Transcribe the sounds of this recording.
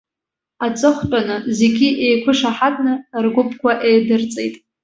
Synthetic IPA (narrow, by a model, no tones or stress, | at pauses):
at͡sʼɨχʷt͡pʼanɨze̞ɡʲiʔejkʷʰʊʂaħatʼnɨrɡʷʊpʰʼkʷaʔejdɨrt͡sʼḛjtʼ